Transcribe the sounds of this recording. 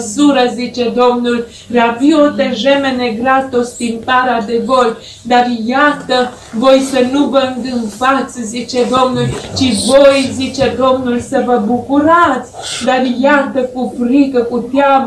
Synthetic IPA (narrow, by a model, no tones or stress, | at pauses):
suɾəzit͡ʃɛd̪omnul | ɾaviot̪eʒɛmeneɡɾat̪ost̪inp̪aɾad̪evoj | d̪aɾjat̪ə | vojsənubəŋɡənfat͡szit͡ʃɛd̪omnult͡ʃivojzit͡ʃɛd̪omnulsəvəbukuɾat͡s | d̪aɾjat̪əkufɾikəkut̪jam